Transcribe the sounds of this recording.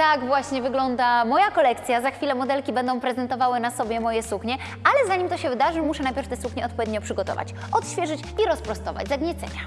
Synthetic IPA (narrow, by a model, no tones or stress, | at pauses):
t̪aɡvwaɕɲɛvɘɡlɔnd̪amɔjakɔlɛk̚t̪sʲjazaxfʲilɛmɔd̪ɛlkʲibɛnd̪ɔ̃w̃pɾɛzɛnt̪ɔvawɘnasɔbʲjɛmɔjɛsukɲɛ | alɛzaɲimt̪ɔɕɛvɘd̪aʐɘmuʂɛnajpʲjɛɾft̪ɛsukɲɛɔt̪pɔvʲjed̪ɲɔpʂɘɡɔt̪ɔ̰va̰t͡ɕ | ɔt̪ɕfʲjɛʐɘt͡ɕ | iɾɔspɾɔst̪ɔva̰d͡ʑzaɡɲɛt̪sɛ̰ɲa